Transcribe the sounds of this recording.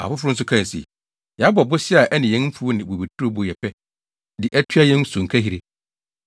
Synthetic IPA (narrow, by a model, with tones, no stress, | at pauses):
a̰˨fʊ˦fʊ˦ɾʊ̃˦n̩˦sʊ˦kʰã˦˨sḭ˨ | jɛ˨a˦bɔ˨bʊ˦ɕi˦a˨ʔɛ˦nɪ̃˨jɛ̃˨˦n˦m̩˦fu˦nɪ̃˨bo˨be˨tʰu˦ɾo˦bʊ˨jɛ˨pʰɛ˦ | dɪ˨ʔɛ˦tʰɥa˦jɛ̃˦n˦sʊ̃˨ŋ̩˨kʰa˦ɦi˨ɾe˦